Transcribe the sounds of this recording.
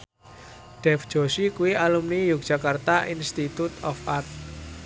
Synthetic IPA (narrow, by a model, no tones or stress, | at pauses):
ɖ̥ɛfd̥d͡ʒ̥o̤sikuwialumnijuk̚d̥ʒ̥ä̤kart̪aʔinst̪it̪ut̪ɔfart̪̚